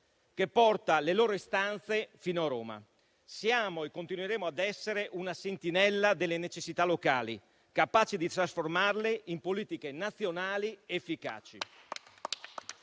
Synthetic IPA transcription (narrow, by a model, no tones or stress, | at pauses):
kepːɔrt̪aleloːɾoist̪ant̪sefiːnoaɾoːma̰ | sjaːmoekːont̪inueɾeːmoad̪ɛsːeɾeʔunasent̪inɛlːad̪elːenet͡ʃesːit̪alːokaːli | kapaːt͡ʃid̪it̪ɾasformarleʔimpoliːt̪ikenat̪sːjonaːliefːika̰ːt͡ʃḭ